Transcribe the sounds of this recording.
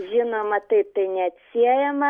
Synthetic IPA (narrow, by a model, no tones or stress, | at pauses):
ʒʲɪnomɐt̪ɐɪpp̚t̪ɐɪnʲɛɐt̪ʲsʲiɛjɛmɐ